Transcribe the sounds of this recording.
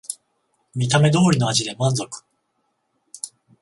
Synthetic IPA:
mʲit̪ame̞d̪o̞ːɾʲino̞aʑid̪e̞mãnzo̞kɯ̥

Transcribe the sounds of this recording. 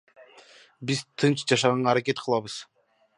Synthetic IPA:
bizt̪ʰɯnt͡ʃd͡ʒɑʃ̬ɑʁɑɴɑːɾakʲe̞t̪̚qʰɯlˠɑβɯz̥

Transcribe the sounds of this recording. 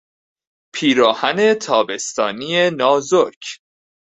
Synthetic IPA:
pʰiːɾɒːhæne̞t̪ʰɒːbe̞st̪ɒːniːenɒːzocʰ

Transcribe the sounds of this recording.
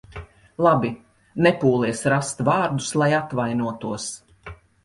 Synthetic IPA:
lˠabi | nɛpuːlˠiɛsɾast̪vaːɾd̪uslˠajat̪vajnuɔt̪uɔs

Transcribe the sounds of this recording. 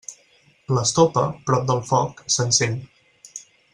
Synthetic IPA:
ləst̪opəpɾɔp̚d̪əlˠfɔksənsen

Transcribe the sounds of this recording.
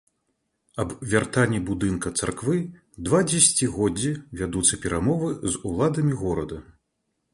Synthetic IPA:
ɐbvʲart̪anʲːibud̪ɨnkɐt̪sa̰rkvɨ | d̪vad͡zʲɛsʲt͡sʲiɣɔd͡zʲːivʲad̪ut̪sːɐpʲɛɾʔamɔvɨzulˠad̪ɐmʲiɣɔɾɐd̪ɐ

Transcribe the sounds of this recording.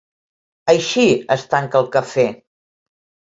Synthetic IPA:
əjʃiəst̪aŋkəlˠkəfe

